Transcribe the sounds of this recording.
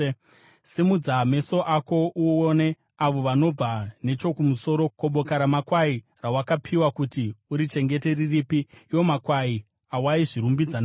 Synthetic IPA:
simud͡zame̞so̞ʔako̞ʔuone̞ | aʋo̞ʋano̞b͡vane̞t͡ʃo̞kumuso̞ɾo̞ko̞ɓo̞kaɾamakwai | rawakapʰiwakutiuɾit͡ʃe̞ŋɡe̞te̞riripiːwo̞makwai | awaiʐiɾumbid͡zana

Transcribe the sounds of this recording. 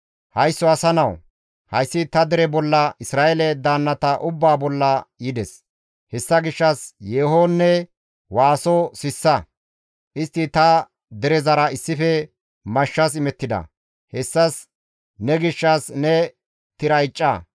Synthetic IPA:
hɐjsːɔɐsɐnɐw | hɐjsːɪt̪ɐd̪ɛɾɛbɔlːɐʔɪsɾaːʔelɛd̪aːnːɐt̪ɐʔʊbːaːbɔlːɐjɪd̪ɛs | hɛsːɐɡɪʃːɐsjeːɦoːnːɛ | waːsosɪsːɐ | ʔɪst̪ːɪt̪ɐ | d̪ɛɾɛzɐɾɐɪsːɪfɛ | mɐʃːɐs̬ɪmɛt̪ːɪd̪ɐ̰ | hɛsːɐs | nɛɡɪʃːɐsnɛ | t̪ɪɾɐjt͡ʃʼːa

